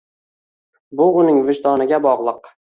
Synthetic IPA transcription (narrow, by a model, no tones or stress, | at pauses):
bʊʊnɪŋvɪʒd̪ɒnɪɡʲabɒʁlˠɨq